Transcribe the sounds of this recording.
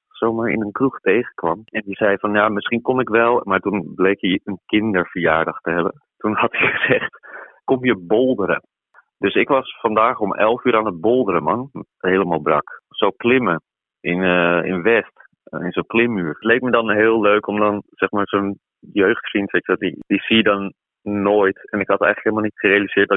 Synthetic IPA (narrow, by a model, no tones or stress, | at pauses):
sowmaɹɪ̰nənkruxtejɣəkʋɑmɛnjəzɛjfɔnjamɪsχinkonɪkʋɛlˠmaːɹtunblejkjəənkɪndəɹfəɹjaːɹdəxtəɦɛbə̰n | tunhɑtiχəz̥ɛχtkomjəbolˠdəɾə̰ | d̥øsɪkʋɑsfɑndaːxomʔɛ̰lˠfyːɾaːnət̚bolˠdəɾəmɑnɦejləmaːlˠbrɑksowklɪmə | ɪnɪ̰nʋɛst | ɪnzonklɪmːyːrtlejk̚mədɔnɦɪːlˠløːkɔmdɔnsɛxmaːɹson | jøɥxtfrintsɛksɛtdid̥isidɔnː | oːjtɛnɪkɦɑtɛjɣŋləkɦeɪlˠmalˠnitχərejaliz̥ɪːətdɔ